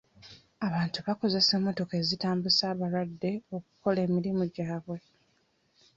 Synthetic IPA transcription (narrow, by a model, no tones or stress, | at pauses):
aβaːntuβako̞ze̞seːmːo̞to̞ke̞ːzitaːmbusaːβalwadːe̞o̞k̚u̥ko̞le̞ːmiɾimuɟaːβwe̞